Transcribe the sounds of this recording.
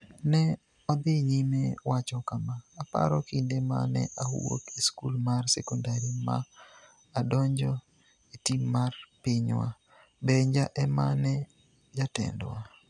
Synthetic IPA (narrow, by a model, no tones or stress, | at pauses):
nɛ | ɔd̪ɪɲimewat͡ʃɔkamaːpa̰ɾɔkindema̰nɛ̰ʔahṵwo̰keskulmarsɛkɔndaɾima̰ː | dɔɲd͡ʒɔ | etimːarpɪɲwa̰ | bɛɲd͡ʒaʔɛmanɛ | d͡ʒatɛ̰ndwa